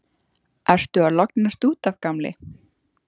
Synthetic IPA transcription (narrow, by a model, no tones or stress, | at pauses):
ɛr̥st̪ʏalɔknast̪uːt̪avkamlɪ̰